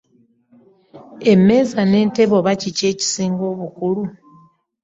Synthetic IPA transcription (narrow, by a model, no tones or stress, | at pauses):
e̞me̞ːzane̞ːnte̞βo̞βacice̞ːci̥siːŋɡo̞ːβukulu